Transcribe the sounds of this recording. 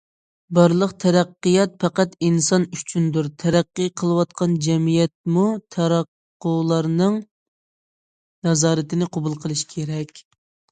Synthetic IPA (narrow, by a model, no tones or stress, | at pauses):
bɑɾlˠəqt̪ʰɛɾæqːɨjɑt̪̚pʰɛqæt̪insɑnyt͡ʃʰynd̪uɾt̪ʰɛɾæqːɨqʰəlˠɨwɑt̪̚qʰɑnd͡ʒɛmijɛt̪̚mut̪ʰɑɾɑqːʊlˠɑɾnɨŋ | nɑzɑːɾɨt̪ɪnɪqʰobulˠqʰəlˠɨʃkʲʰeɾɛkʲ